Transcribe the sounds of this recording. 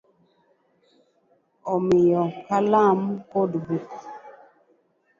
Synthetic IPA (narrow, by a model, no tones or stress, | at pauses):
ɔmɪjɔkalamkodbuk